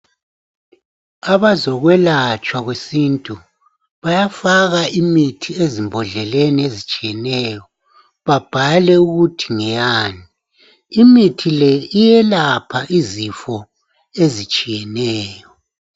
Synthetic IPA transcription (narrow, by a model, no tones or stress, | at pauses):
aβazɔɣwɛlat͡ʃʼwaɣwesintʼu | βajafaɣaʔimitʰiezimbʱɔɮɛleniezit͡ʃʼijɛnɛːjɔ | βab̥ʱalɛuɣutʰiŋɛjaːni | imitʰilɛijɛlapʰaʔizifɔ | ezit͡ʃʼijɛnɛːjɔ